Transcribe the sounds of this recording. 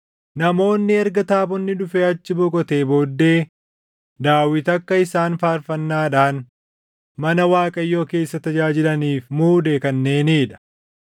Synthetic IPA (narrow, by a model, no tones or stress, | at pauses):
nɐmo̞ːnːɪɛɾɡɐt̪aːbɔnːɪdʊfeːɐt͡ʃːɪbɔkʼɔt̪e̞ːboːd̪ːe̞ː | d̪aːwɪt̪ɐkːɐɪsaːnfaːɾfɐnːaːᶑaːn | mɐnɐwaːkʼɐjːo̞ːke̞ːsːɐt̪ɐd͡ʒaːd͡ʒɪlɐniːfmuːd̪ekɐnːe̞ːneːᶑɐ̥